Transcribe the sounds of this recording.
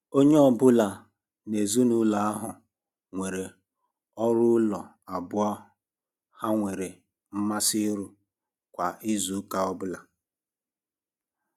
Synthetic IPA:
o˦ɲe˦ɔ˨bʊ˦la˨ | ne˨zu˦nu˦la˨a˦ɦʊ˨ | ŋʷe˨ɾe˨ | ɔ˦ɾʊ˦lɔ˨ | a˨bʊ˦ɔ˦ | ha˦ŋʷe˨ɾe˨ | m̩˦ma˦sɪ˦ɾu˦ | kʷa˨ʔɪ˦zu˨˦ka˦ɔ˦bʊ˦la˨

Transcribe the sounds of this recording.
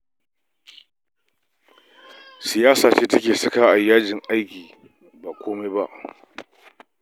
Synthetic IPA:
sɪ˨jaː˦saː˨t͡ʃeː˦tɐ˦kʲeː˨sɐ˦kaː˨ʔa˨jːaː˦d͡ʒɪ˨ŋʔa˦jkʲiː˨ | ba˨kʷoː˦me˦ba˦ʔ

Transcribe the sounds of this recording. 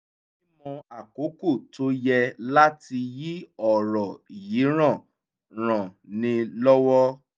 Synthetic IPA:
i˦mɔ̃˧a˨ko˨˦ko˦˨to˨˦jɛ˧la˦ti˧ji˦ɔ˨ɾɔ˨ji˨˦ɾ̃ã˦˨ | ɾ̃ã˨nĩ˧lɔ˦wɔ˦

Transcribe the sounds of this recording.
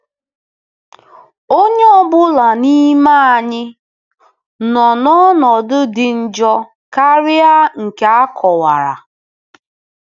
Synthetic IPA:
o˦ɲe˦ɔ˦bʊ˦la˨ni˦ma˦a˨ɲɪ˦ | nɔ˨nɔ˦nɔ˨dʊ˦dɪ˨n̩˦d͡ʒɔ˦ | ka˦ɾɪ˦a˦ŋ̩˨ke˨˦a˦kʰɔ˨wa˨ɾa̰˨

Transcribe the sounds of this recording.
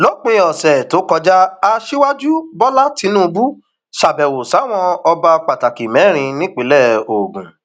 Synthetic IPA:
lo˨˦k͡pĩ˧˦ɔ˨sɛ˨to˨˦kɔ˧d͡ʒa˦a˧ʃi˦wa˦d͡ʒu˦bɔ˦la˦ti˨˦nũː˦˧bu˦ | ʃa˨bɛ˨wo˨sa˨˦˨w̃ɔ̃˧ɔ˧ba˧k͡pa˨ta˨ki˨mɛ˨˦ɾ̃ĩ˧nĩ˦k͡pe˨˦lɛ˦˨o˨ɡũ˨

